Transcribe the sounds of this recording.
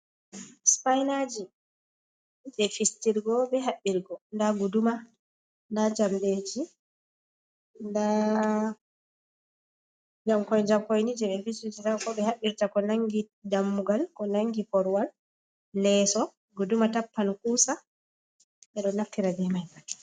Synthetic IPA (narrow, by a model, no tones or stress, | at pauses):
spajnad͡ʒi | ɓɛfistiɾɡɔbɛɦaɓːiɾɡɔndaɡuduma | ndad͡ʒamded͡ʒi | nda | d͡ʒamkɔjd͡ʒamkojnid͡ʒɛɓɛfistid͡ʒitakɔbɛhaɓːiɾtakɔnaŋɡi | damːuɡalkɔnaŋɡipɔɾwal | lɛsɔ | ɡudumatapːankuːsa | ɓɛɗɔnːaftiɾabɛmajbat